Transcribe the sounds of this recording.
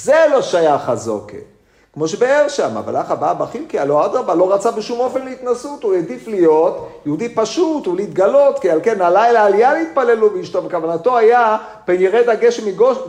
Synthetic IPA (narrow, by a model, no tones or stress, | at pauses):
zelo̞ʃajaχazo̰kḛ | kmo̞ʃebeeʁʃama̰va̰laχababaχilkiaload̪ʁabalo̞ʁat͡sabeʃumo̞fe̞nleit̪nasut̪ujed̪iflijo̞t̪jeud̪ipaʃut̪ulit̪ɡalo̞t̪kialke̞nalailaːlijalit̪̚palelubeiʃt̪ovekavanat̪o̞aja | b̥enjeʁejd̪aɡeʃmiɡoʃ